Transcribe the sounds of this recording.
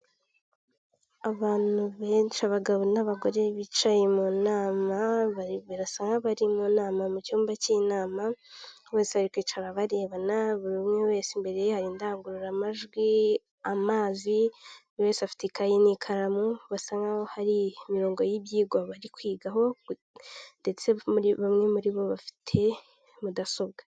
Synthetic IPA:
aβaːn̥uβeːnt͡ʃaβaɡaβonaβaɡo̞ɾe̞βit͡ʃajemunaːmaββiɾasaːŋɡaβaɾimunaːmamucuːmbacinaːma | βeːsehaɾikwiːt͡ʃaɾaβaɾe̞ːβanaβuɾimŋewe̞ːsimbe̞ɾe̞jehaɾindaːŋɡuɾuɾamaʒɡwi | amaːzi | we̞ːsafi̥tekajinikʰaɾamuβasaːŋɡahohaɾimiɾo̞ːŋɡo̞jibjiːɡwaβaɾikwiːɡaho̞ | nde̞t͡se̞βamŋe̞muɾiβo̞βafi̥tʰe̞ | mudaso̞b̚ɡḁ

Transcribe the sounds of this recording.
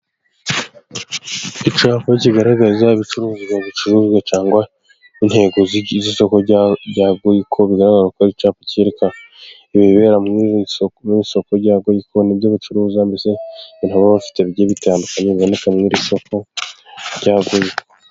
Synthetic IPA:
it͡ʃaːpoiciɡaɾaɡazaiβit͡ʃuɾuːziaβit͡ʃuɾuːzwet͡ʃaːŋɡwa | inhe̞ːɡoziziso̞koɟaːɡojikʰoβiɡaɾaɡaakaɾit͡ʃaːpocieɾeka | iβiβiβe̞ːɾamŋimiiso̞koɾɟaːɡojikʰoniβjoβit͡ʃuɾuːzambiseβin̥aβaβafi̥teβijeβitaːndukaɲeβiβo̞ne̞kamŋiɾiso̞ko̞ | ɾɟaːɡojiko

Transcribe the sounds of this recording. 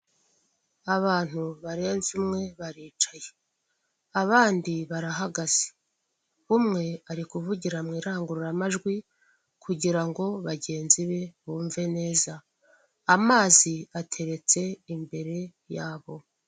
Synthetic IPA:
aβaːn̥huβaɾe̞ːnzumŋe̞βaɾiːt͡ʃaje̞ | aβaːndiβaɾaɦaɡaz̥i̥ | βumŋe̞aɾikuβuɟiɾamŋiːɾaːŋɡuɾuɾamaʒɡwi | kʰuɟiɾaŋɡo̞βaɟe̞ːnziβe̞βuːɱve̞ne̞ːzaː | maːziatʰe̞ɾe̞t͡se̞imbe̞ɾe̞ | jaːβo̞

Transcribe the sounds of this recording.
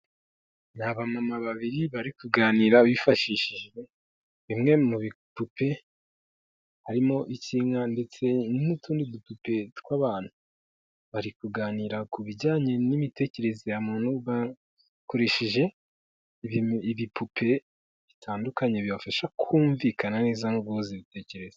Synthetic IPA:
naβamamaβaβiɾiβaɾikuɡaːniːɾaβifaʃiʃiʒe | βimŋe̞muβipupʰe̞ | haɾimo̞ʔiciːŋande̞t͡se̞nnutʰuːndidupupe̞tkwaβaːn̥hu | βaɾikuɡaːniɾakuβiɟaːɲe̞nimite̞ce̞ɾe̞zejamuːn̥huβa | ko̞ɾe̞ʃiʒe̞ | iβipʰupʰe̞ | βitʰaːndukaɲe̞βiβafaʃakʰuːɱvikʰanane̞ːzaŋoɡɡoziβite̞ːce̞ɾe̞ze̥

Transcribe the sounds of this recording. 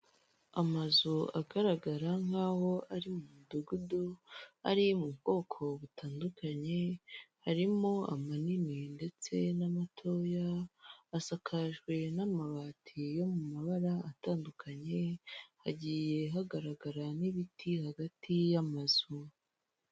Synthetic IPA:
amazuaɡaɾaɡaɾaŋ̥haːho̞ʔaɾimumuduɡudoa̰ɾimuβɡo̞ːkʰo̞βutʰaːndukaɲe̞haɾimo̞a̰manininde̞t͡se̞namatʰo̞jaː | sakʰaʒɡwe̞namaβaːtʰijo̞mumaβaɾaataːndukʰaɲe̞ha̰ɟiːje̞ɦaɡaɾaɡaɾaniβitʰihaɡatʰijamaz̥u

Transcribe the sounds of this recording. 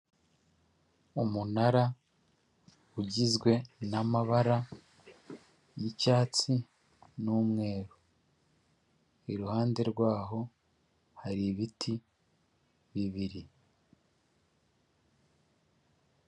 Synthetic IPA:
umunaɾa | uɟizɡwe̞namaβaɾa | jicaːt͡si | nuːmŋe̞ːɾo | iɾuhaːnde̞ɾɡwaːɦo̞ | haɾiβitʰi | βiβiɾi

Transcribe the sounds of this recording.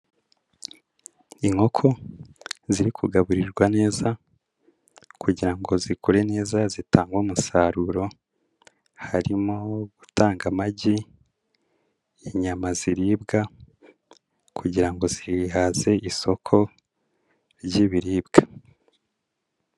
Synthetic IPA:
iŋho̞kʰo̞ | ziɾikʰuɡaβuɾiɾɡwane̞ːza | kuɟiɾaŋɡo̞zikuɾe̞ne̞ːzazitaːŋɡwomusaɾuɾo̞ | haɾimoɡutʰaːŋɡamaɟi | iɲamaziɾiːbɡa | kʰuɟiɾaŋɡo̞zihaze̞ʔiso̞kʰo̞ | ɾɟiβiɾiːbɡ̥ḁ

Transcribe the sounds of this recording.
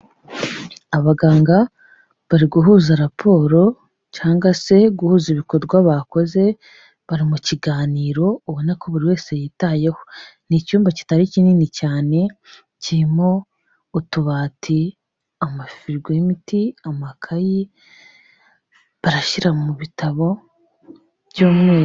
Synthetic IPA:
aβaɡaːŋɡa | βaɾiɡuɦuːzaɾapʰo̞ːɾo̞ | caːŋɡwase̞ɡuhuːziβiko̞dɡwaβako̞ze̞ | βaɾimuciɡaːniːɾo̞uβonako̞βuɾiwe̞ːse̞jitaje̞ho̥nicuːmbaci̥taɾiciniːnicaːne̞ | ciɾimo̞ | utuβaːtʰi | amafiɾɡwemitiamakʰaji | βaɾaʃiɾamuβitaβo̞ | βjoːmŋeː

